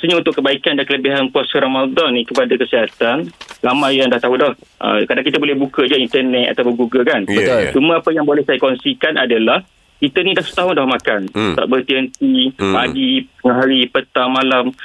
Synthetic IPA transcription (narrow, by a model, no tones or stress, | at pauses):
səɲaunt̪ʊʔkːəbaikandankələbiɦanpuasəɾomadɔnːikəpadakəsiɦat̪anɾamajjaŋdaht̪aɦudɔh | ʔə̰kadaŋkit̪abolɛhbukəd͡ʒaint̪ərnɛt̪̚a̰t̪awpʊŋɡuɡəlkant͡ʃumə̃apəjaŋbolɛhsajakɔnsikanʔadalah | kit̪ənĩdahsə̥t̪aɦʊndɔhmakant̪a̰ʔbərt̪iɦənt̪ipaɡisəŋaɦaɾipət̪amalam